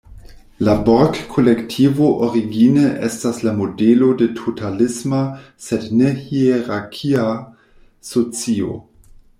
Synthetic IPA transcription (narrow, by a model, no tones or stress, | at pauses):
laboɾkkʰːolektʰivoʔoʁiɡineʔestaslamodelodetʰotʰalɪsma | sednehieʁakʰia | sot͡sio̰